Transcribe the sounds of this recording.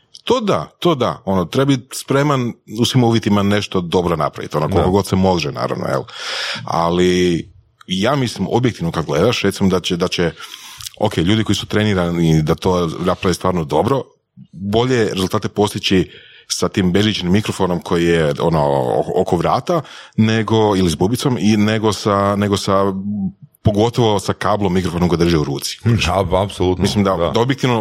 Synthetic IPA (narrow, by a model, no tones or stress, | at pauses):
t̪o̞d̪at̪o̞d̪a̰o̞not̪ɾebabispɾe̞manusʋimuʋjet̪imane̞ʃt̪o̞d̪o̞bɾona̰pɾa̰ʋḭt̪io̞nokolˠkoɡo̞d̪semo̞d̪ɾɛna̰ːɾa̰ʋno̰jḛla̰li | jaːmislimʔo̞̰bjekt̪iʋnokad̪ɡle̞d̪aʃɾe̞t̪simod̪at͡ɕed̪at͡ɕe | o̰kʰeːʎuːd̪iko̞jisu̥t̪ɾe̞niɾanid̪at̪onaspɾaʋest̪ʋaːɾnod̪o̞bɾo̞ | bo̞ʎe̞ɾe̞zulˠt̪aːt̪epo̞st̪it͡ɕi | sat̪iːmbezʋit͡ʃenimːikɾo̞fo̞no̞mkʰo̞jijeo̰no̰ʔokoʋɾaːt̪ane̞ɡo̞ilizbubit̪so̞mine̞ɡo̞sane̞ɡo̞sa | po̞ɡo̞t̪o̞ʋo̞sakaːblˠomːikɾofonomko̞jd̪rʒeuɾṵːt̪si̥apsolut̪mislimd̪ad̪aobjekt̪iʋno